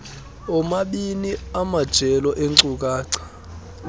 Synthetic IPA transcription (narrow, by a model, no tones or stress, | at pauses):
ɔmaɓiniamad̥ʒ̥ʱɛlɔʔeŋǀuk̬aːǀʰḁ